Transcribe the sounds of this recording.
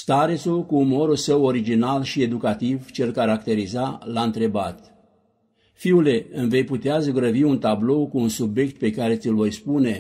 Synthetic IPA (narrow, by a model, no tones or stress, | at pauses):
st̪aɾet̪sulkuːmo̞ɾulsəwo̞ɾid͡ʒinalʃie̞d̪ukat̪ivt͡ʃe̞lkaɾakt̪e̞ɾizalaɨnt̪ɾe̞bat̪ | fiule̞ɨmve̞jput̪eazɡɾəviunt̪ablo̞wkuːnsubje̞kt̪̚pe̞kaɾe̞t̪sɨlvo̞jspune̞